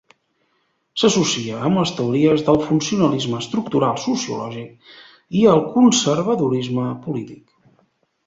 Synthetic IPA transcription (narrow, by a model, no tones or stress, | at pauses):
səsusiəːmləst̪əuɾiəzðəlˠfunsiunəlizməːst̪ɾuk̚t̪uɾalˠsusiṵlɔ̰ʒik̚ | iəlˠkunsərβ̞əðuɾizməpulit̪ik